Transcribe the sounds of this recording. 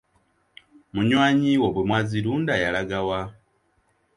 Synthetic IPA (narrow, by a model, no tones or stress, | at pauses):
muɲwaːɲiwoβwemwaːziɾuːndajalaɡawa